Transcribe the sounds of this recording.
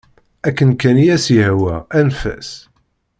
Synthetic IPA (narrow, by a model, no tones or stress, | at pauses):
ækːənkænijæsihwæænfæ̰s